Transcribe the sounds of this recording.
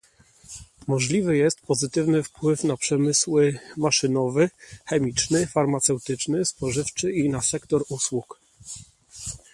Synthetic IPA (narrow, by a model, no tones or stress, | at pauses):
mɔʐlʲivɘjɛst̪pɔzɘt̪ɘvnɘfpwɘfnapʂɛmɘswɘmaʂɘnɔvɘxɛmʲit͡ʂnɘfaɾmat̪sɛwt̪ɘt͡ʂnɘspɔʐɘft͡ʂɘinasɛkt̪ɔɾuswuk